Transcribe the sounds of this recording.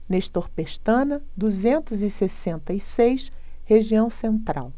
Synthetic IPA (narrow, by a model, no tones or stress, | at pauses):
neʃt̪oɾpeʃt̪ɐ̃nɐd̪uzẽnt̪ʊzɪsesẽnt̪ɐisejʃ | heʒiɐ̃w̃sẽnt̪ɾa̰w